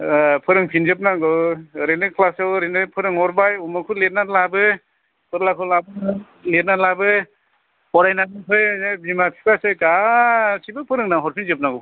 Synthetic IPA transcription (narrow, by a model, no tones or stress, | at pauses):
pʰɯɾɯŋpʰinzɯp̚naɡɯɾenɯkʰlasɯwɾenɯpʰɯɾɯŋɔɾbajumɯkʰulet̚nalabɯ | pʰɯɾlakʰɯlabɯ | let̚nalabɯ | pɔɾajnanɯpʰɯjbimapʰi̥pʰasɯkasibɯpʰɯɾɯŋnaɦɔɾpʰinzɯp̚naɡɯw